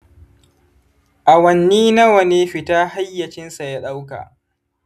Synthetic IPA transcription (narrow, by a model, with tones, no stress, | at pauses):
ʔa˨wɐ˨nːiː˦na˦wɐ˨neː˦ɸɪ˨taː˦ha˦jːɐ˨t͡ʃɪ˦nsa˨ja˦ɗa˦wka̰˨ʔ